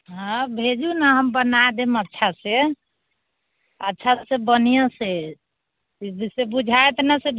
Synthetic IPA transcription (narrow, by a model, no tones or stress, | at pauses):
ɦə̃bʱed͡ʒunaɦəmbənad̪emətːʃʰase | ətːʃʰasebənjəse | isebud͡ʒʱaet̪nəseb